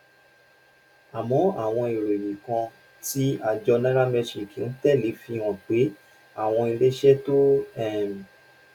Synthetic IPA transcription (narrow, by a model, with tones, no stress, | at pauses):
a˨mɔ̃˨˦a̰˦˨w̃ɔ̃˧i˨ɾe˨ɾi˨kã˧ | ti˦a˦˨d͡ʒɔ˧nã˦ɾa˦mɛ˧ʃi˨ki˨n̩˦tɛ˦˨le˨˦fi˧w̃ɔ̃˨k͡pe˨˦ | a˦˨w̃ɔ̃˧i˧le˦ʃɛ˦to˦ɛ˦˨m˨